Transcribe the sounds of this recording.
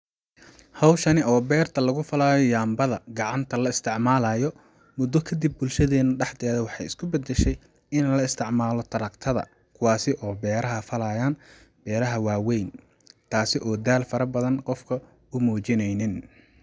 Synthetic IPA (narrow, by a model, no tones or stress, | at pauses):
hɑwʃɐnɪɔːbɛːrt̪ʰɐlɐɣʊfɐlaːjɔjaːmbɐðɐɡɑʕɑnt̪ʰɐlɐɪst̪ʰɪʕmaːlɐjɔ | mʊd̪ːɔkʰɐd̪ib̚ːʊlʃɐðɛːnʊɖɛħd̪ɛːðɐwɑħɑjɪskʰʊbɐd̪ɛʃɛj | ɪnlɐɪst̪ʰɪʕmaːlɔt̪ʰɐɾɐkt̪ʰɐðɐ̰ | kʰʊwɑːsɪʔɔːbɛːɾɐɦɐfɐlajaːn | b̥ɛːɾɐɦɐwaːwɛjn | t̪ʰaːsɪʔɔːd̪aːlfɐɾɐbɐðɐnqɔfkʰɐ | ʊmuːt͡ʃɪnɛjnɪn